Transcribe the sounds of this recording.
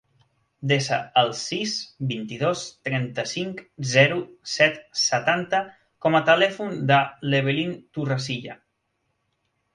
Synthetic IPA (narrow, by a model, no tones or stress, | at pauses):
d̪esə̰ːlˠsisbint̪iðost̪ɾɛnt̪əsiŋkzɛɾusɛt̪sət̪ant̪ə | kɔmət̪əlɛfund̪əleβelint̪urəsiʎə